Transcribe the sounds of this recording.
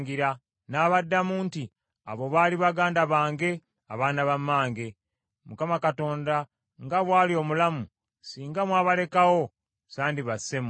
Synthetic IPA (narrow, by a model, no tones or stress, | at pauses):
ŋɡiɾa | naːβadːamuːnti | a̰βo̞βaːliβaɡaːndaβaːŋɡe̞ | a̰βaːnaβamːaːŋɡe̞ | mukamakato̞ːnda | ŋɡaβwaːlio̞mulamu | siːŋɡamwaβale̞kawo̞ | saːndiβase̞m